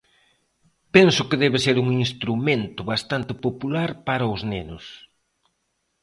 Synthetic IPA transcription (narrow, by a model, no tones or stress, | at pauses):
pɛnsʊkɪðɛβɪseɾuŋinst̪ɾument̪ʊβast̪ant̪ɪpopulaɾpaɾɐʊznenʊs